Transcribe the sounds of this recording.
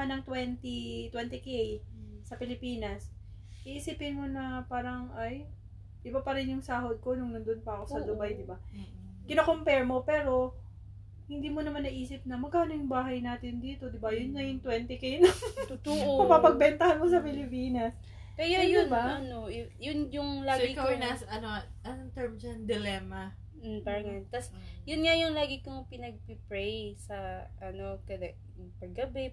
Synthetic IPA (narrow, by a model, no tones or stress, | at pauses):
ɐnɐŋt̪wɛnt̪it̪wɛnt̪ɪkejsɐpɪlɪpiːnɐs | ʔɪʔiːsɪphɪnmonɐpaːɾɐŋʔaj | ʔɪbapɐɾɪnjʊŋsaːɦod̪̚ko̞nʊŋnʊnd̪onpɐʔɐko̞sɐd̪ʊbajd̪ɪba | kɪnɐkompɛɹmo̞pɛːɾo̞ | hɪnd̪iːmonɐmanːɐʔiːsɪp̚nɐmɐɡ̚kaːnojʊŋbaːɦɐjnaːt̪ɪnd̪iːt̪o̞d̪ɪbajʊnːɐjʊŋt̪wɛnt̪ɪkejnot̪ʊt̪uʔpɐpapɐɡ̚bɛnt̪ɐhanmosɐpɪlɪpiːnɐs | pɛjojʊnbanojʊnjʊŋlaːɡikɐnasɐnoʔɐnoŋt̪ɛɹmd͡ʒɐnd̪ɪlɛmɐ | paːɾɐŋɐjont̪ɐsjʊnŋajʊŋlaːɡikoŋpɪnɐɡ̚pɪpɹɛjsɐʔɐno̞kɐd̪ɐ | pɐɡːɐbɛ